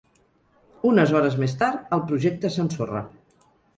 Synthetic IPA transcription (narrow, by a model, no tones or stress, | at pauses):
unəzɔɾəzmest̪aɾt̪əlˠpɾuʒɛk̚t̪əsənsorə̰